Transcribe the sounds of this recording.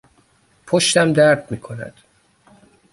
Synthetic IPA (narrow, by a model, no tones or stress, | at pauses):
pʰoʃt̪æmd̪æɾd̪miːkʰonæ̰d̪̥